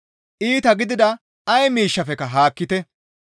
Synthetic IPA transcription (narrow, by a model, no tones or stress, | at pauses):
ʔiːt̪ɐɡɪd̪ɪd̪ɐ | ɐjmiːʃːɐfɛkɐɦaːkːɪt̪ɛ